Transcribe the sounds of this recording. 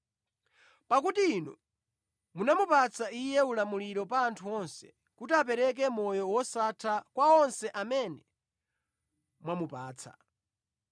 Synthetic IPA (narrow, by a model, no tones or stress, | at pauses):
pak̬utiːnɔ̰ | munamupat͡sʰaijɛulamuliɾɔpaːntʰuɔnsɛ̥ | kutiap̬ɛɾɛk̬ɛmɔjɔwɔsatʰakwaɔnsɛʔamɛnɛ | mwamupaːt͡sʰa̰